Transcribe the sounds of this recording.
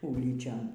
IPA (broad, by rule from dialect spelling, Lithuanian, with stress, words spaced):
ˈuːlʲiːt͡ʃʲoːn